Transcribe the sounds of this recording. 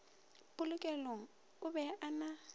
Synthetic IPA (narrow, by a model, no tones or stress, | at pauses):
pʼʊlʊkʼɛloŋ̩ | ʊbɛʔana